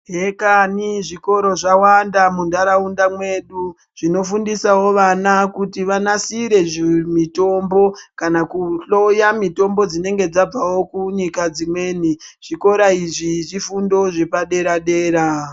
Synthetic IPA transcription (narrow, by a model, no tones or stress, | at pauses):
ɦekaniʐiko̞ɾo̞ʐawandamundaɾaundamwe̞ɗu | ʐ̥ino̞fundisawo̞ʋanakutiʋanasiɾe̞ʐimito̞mbo̞kanakuɬo̞jamito̞mbo̞d͡zine̞ŋɡe̞d͡zab͡vawo̞kuɲikad͡zimwe̞ːniʐ̥iko̞ɾaiʐiʐifundo̞ʐe̞paɗe̞ɾaɗe̞ːɾa